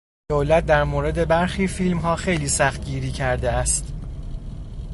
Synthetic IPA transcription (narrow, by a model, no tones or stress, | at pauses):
d̪̥oːlæt̪̚d̪æɾmoːɾe̞d̪e̞bæɾxiːfilmɦɒːxe̞jliːsæxt̪̚ɟiːɾiːcʰæɾd̪eæst̪